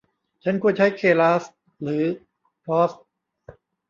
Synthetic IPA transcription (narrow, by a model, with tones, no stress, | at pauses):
t͡ɕʰa˦˥nkʰu˧˩ənt͡ɕʰa˦˥jkʰeː˧˩laː˦˥s | ɾɯː˩˦ | pʰɾɔː˦˥s̚